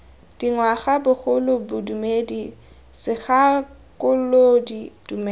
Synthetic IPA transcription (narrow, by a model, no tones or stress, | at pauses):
d̥iŋwaχabʊχʊlʊbʊdumedi | sɪɣakʊlodid̥umɛ